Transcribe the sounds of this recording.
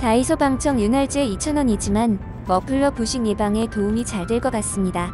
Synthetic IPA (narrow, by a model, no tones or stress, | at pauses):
taisʰobaŋt͡ɕʰʌŋjunaɭd͡ʑɯeit͡ɕʰʌnwʌɲid͡ʑiman | mʌpʰɯɭːʌpuɕʰiŋjebaŋe̞toumit͡ɕaɭdweɭk͈ʌk͈as͈ɯmɲida